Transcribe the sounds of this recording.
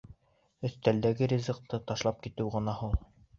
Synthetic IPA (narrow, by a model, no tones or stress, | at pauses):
ɵ̆θt̪æld̪æɡɘɾʲizɤ̆q̚t̪ɤt̪ɑʃlˠɑp̚kit̪ɘwʁɤ̆nɑhulˠ